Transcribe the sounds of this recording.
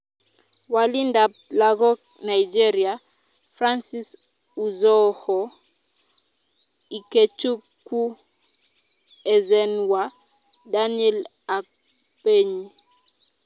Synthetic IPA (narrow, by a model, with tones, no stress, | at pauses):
wa˨li˦nda˨ | la˨ɣɔ˦k | na˨id͡ʒɛ˦ɾia˨ | fɾa˦nsi˦s | u˨zɔ˦hɔ˨ | i˨ke˨t͡ʃu˦ku˦ | ɛ˨zɛ˨nwa˨ | da˦niɛ˦l | a˨k̚ | pe˦ɲi˦